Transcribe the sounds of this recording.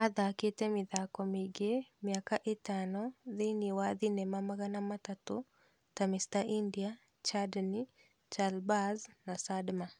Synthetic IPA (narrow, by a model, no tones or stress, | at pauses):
ad̪aket̪emid̪akɔmiɡemiakaʔit̪anɔðɪniwad̪inemamaɡanamat̪at̪o | tamɪst̪aʔindija | t͡ʃadni | t͡ʃalbaznasadma